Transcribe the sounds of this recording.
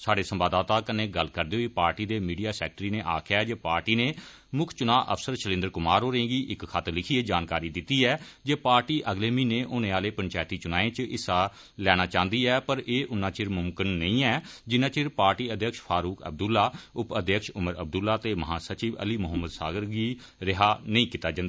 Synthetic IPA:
saːɖeːsəmbaːd̪aːt̪aːkəneːɡəlkəɾd̪eoːiːpaːɾʈiːd̪eːmiːɖijaːsɛ̰ːk̚ʈɾiːneːʔaːkʰjaːɛd͡ʒeːpaːɾʈiːneː | mʊkʰt͡ʃʊnaːʔə̰pʰsəɾʃəlɪ̃nd̪əɾkʊmaːɾɦoːɾẽːɡiːʔɪkkʰat̪lɪkʰieːd͡ʒaːnkaːɾiːd̪ɪt̪ːiːɛːd͡ʒeːpaːɾʈiːʔəɡleːmĩːneːʔʊnẽːaːleːpəɲt͡ʃaːjt̪iːt͡ʃʊnaːẽːt͡ʃɪsaː | lɛːɽ̃aːt͡ʃãːnd̪iːɛːpəɾeːʔʊnːãːt͡ʃɪɾmʊmkənːəĩːɛːd͡ʒɪnãːt͡ʃɪɾpaːɾʈiːəd̪jəkʃpʰaːɾuːkə̰b̚d̪ʊlːaːʊpəd̪jəkʃʊməɾə̰b̚d̪ʊlːaːt̪eːməɦãːsət͡ʃiːʋə̰liːmʊɦəmːəd̪saːɡəɾɡiː | ɾɪɦaːnəĩːkiːt̪aːd͡ʒãnd̪aː

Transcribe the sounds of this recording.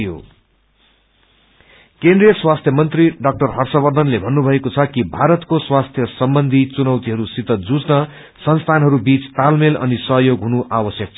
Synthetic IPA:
jo̰ | kend̪rijʌswast̪ʰjʌmʌnt̪riɖʌk̚ʈʌrɦʌrsʌbʌrd̪ʱʌnlebʱʌnːubʱʌekot͡sʰʌkibʱaɾʌt̪koswast̪ʰjʌsʌmbʌnd̪ʱit͡sunʌwt̪iɦʌɾusit̪ʌd͡zut͡snʌ | sʌnst̪ʰanɦʌɾubit͡st̪almelʔʌ̰nisʌɦjoɡɦunuʔawʌsjʌk̚t͡sʰ

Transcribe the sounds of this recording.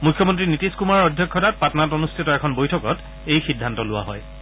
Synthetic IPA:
mukʰjɔmɔntɹinitiskumaɹɔɹɔdʱjɔkʰːɔtat̚patɔnatɔnustʰitɔɛkʰɔnbojtʰɔkɔt | ejxidʱːantɔlʊwa̰ɦɔ̰j

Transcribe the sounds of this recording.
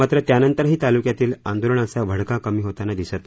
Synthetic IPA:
mat̪ɾət̪janənt̪əɾɦiːt̪alukjat̪iːland̪oləɳ̃əsabʱəɽkakəmiːɦot̪anad̪isət̪

